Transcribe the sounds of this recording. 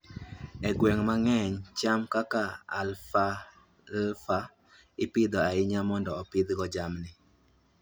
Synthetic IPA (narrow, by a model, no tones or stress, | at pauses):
ɛɡwɛŋmaŋɛɲt͡ʃamkakaa̰lfa | lfa | ɪpɪd̪ɔaɪɲamɔndɔɔpɪd̪ɡɔd͡ʒamnɪ